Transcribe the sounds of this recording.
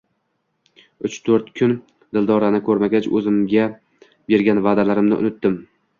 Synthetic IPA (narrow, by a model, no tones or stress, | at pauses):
ʊt͡ʃt̪ʰɵɾt̪kʲʰʊn | d̪ɪld̪ɒɾanɪkʰɵɾmaɡʲat͡ʃɵ̰zɪmɡʲa | be̞ɾɡʲanvad̪alaɾɪmnɪ̰ʔʊ̰nɪt̪̚d̪ɪm